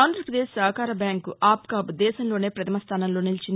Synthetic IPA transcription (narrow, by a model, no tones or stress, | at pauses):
aːnd̪ɾɐpɾɐd̪eːssɐɦkaːɾɐbjaːŋkuʔaːpkaːpud̪ɛːʃɐmlo̞ːne̞ːpɾɐt̪ʰɐmɐst̪ʰaːnɐmlo̞ːnilit͡ʃin